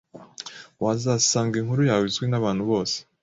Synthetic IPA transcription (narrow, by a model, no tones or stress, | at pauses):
wazaːsaːŋɡiŋhuɾujaːwizɡwinaβaːn̥huβo̞ːse̥